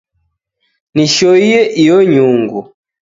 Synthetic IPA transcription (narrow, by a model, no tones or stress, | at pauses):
niʃɔijɛʔijɔɲuŋɡu